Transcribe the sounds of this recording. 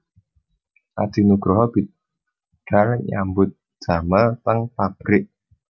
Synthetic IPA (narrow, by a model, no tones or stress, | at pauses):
ʔa̰d̪̥i̤nuɡ̥ɾɔɦɔb̥i̤t̪ | ɖ̥arɲa̰mbʊt̪̚d̥ʒ̥a̤məlt̪əŋt̪ab̥ɾɪʔ